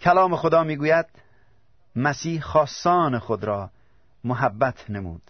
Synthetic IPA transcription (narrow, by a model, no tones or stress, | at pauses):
kʲʰælɒːmexod̪ɒːmiːɡuːjæd̪̥̚ | mæsiːhχɒːsːɒːnexod̪ɾɒː | moɦæbːæt̪ʰnemṵːd̪̥